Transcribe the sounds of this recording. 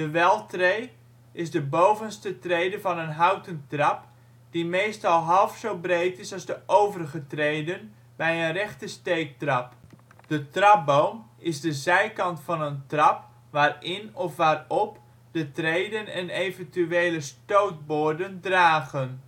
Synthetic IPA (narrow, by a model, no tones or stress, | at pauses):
dəʋɛlˠtrej | ʔɪzdəbowvənstətrejdəvɑnənɦawtəntrɑp | d̥imejstɑlˠɦɑlˠfsowbrejtɪsɑlˠzdəʔowvərɣətrejdən | bɛjənrɛχtəstejk̚trɑp | d̥ətrɑp̚bowm | ɪzdəzɛjkɑntfɑnəntrɑp | ʋaːrɪnɔfʋaːrɔp | d̥ətrejdənɛnejvəntyejləstowt̚bʊːrdəndraːɣən